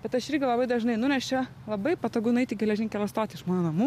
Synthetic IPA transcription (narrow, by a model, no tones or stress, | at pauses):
bʲɛt̪ɐʃɪɾʲɡʲɪlˠɐbɐɪd̪ɐʒnɐɪnʊnʲɛʃt͡ʃʲɛ | lˠɐbɐɪpɐt̪oːɡʊnʊɛɪt̪ʲɪɡʲɛlʲɛʒʲɪnʲkʲɛlʲˠɐst̪oːt̪ʲɪɪʃmɑːnoːnɐmuː